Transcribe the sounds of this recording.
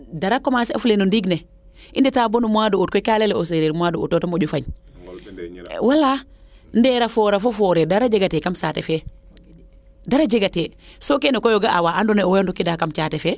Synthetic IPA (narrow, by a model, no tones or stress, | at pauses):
daɾakːɔmasɛa̰fulenundiɡne | ʔinditaːbonumuaduutkɔkalɛlɛos̬eɾeɾmuaduṵtːotomoɟufaɲ | wala | ndɛɾafɔɾafofɔɾɛdaɾad͡ʒeɡatɛkamsaːtɛfɛ | daɾad͡ʒeɡatesokenɔkɔjoɡaʔawaʔandɔnɛwjondɔkidakamt͡ʃatɛfɛ